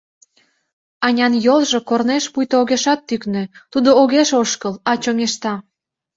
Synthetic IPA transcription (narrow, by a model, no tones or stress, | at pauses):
ɑnʲɑnjolʒokorneʃpujt̪ooɣeʃɑt̪ːyknø̆t̪ud̪ooɣeʃoʃkəlɑt͡ɕoŋeʃt̪ɑ